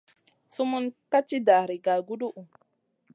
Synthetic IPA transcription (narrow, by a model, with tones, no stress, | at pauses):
su˦mu˦nka˦t͡ʃi˦da˨ɾi˨ɡa˨ɡu˦ɗu˦ʔu˨